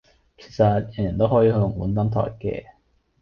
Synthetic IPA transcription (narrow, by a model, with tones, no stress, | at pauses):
kʰe˨˩sɐ˨t̚jɐ˨˩njɐ˨˩nt̪o˥wɦɔː˨˥jiː˧hjʊ˨˩ŋkuː˨˥nt̪ɐ˨˥mt̪ʰɔ̰ː˨˩jkɛ̰ː˧